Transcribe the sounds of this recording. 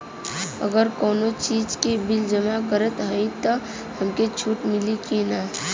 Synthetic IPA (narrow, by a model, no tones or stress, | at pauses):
ə̰ɡəɾkɔːnot͡ʃiːd͡ʒkibɪld͡ʒəmakəɾət̪ɦəit̪o | hɐmket͡ʃʰuːʈmɪlikina